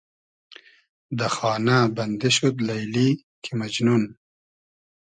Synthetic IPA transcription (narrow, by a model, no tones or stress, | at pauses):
d̪əxɑːnaband̪eʃut̪lajli | kʰimad͡ʒnun